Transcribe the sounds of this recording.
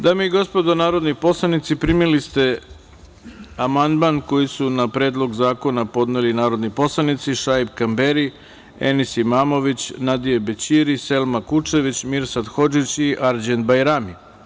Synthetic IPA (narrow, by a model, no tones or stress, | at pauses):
d̪aːmoiɡo̞spo̞d̪onaːɾo̞d̪nipo̞slˠanit̪sipɾimilist̪e̞ | amand̪manko̞jisunapɾe̞ːd̪lˠo̞ɡzaːko̞napo̞d̪nelinaːɾo̞d̪nipo̞slˠanit̪siʃajbkambeɾi | ḛnisimaːmo̞ʋit͡ɕnad̪ijebet͡ɕiɾise̞lmakut͡ʃe̞ʋit͡ɕmiɾsad̪xo̞d͡ʒit͡ɕiʔaɾd͡ʑent̪bajɾami